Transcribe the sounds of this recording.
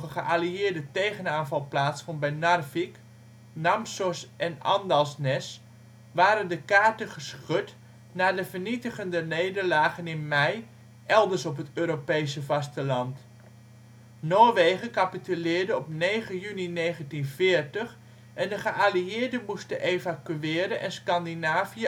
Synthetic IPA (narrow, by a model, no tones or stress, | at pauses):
əχəʔaliɪːɹdətejχənaːnvɑlˠplaːtsfɔnbɛjnɑrfik | namsɔsʔɛnɑ̰ndɑlˠsnɛs | ʋaːɾəndəkaːɹtəχəsχøt | naːdəvəɹnitəχəndəneːdəɹlaːχənɪnmɛj | ʔɛlˠdəɹsɔpɦətøːɾopejsəvɑstəlɑnt | noːɹʋejχəkapitylɪːɹdəɔpneːχəjynineːχəntinvɪːɹtəχ | ʔɛndəχəʔaliɪːɹdəmustəʔevakyɪːɾənʔɛnskɑndinaːviə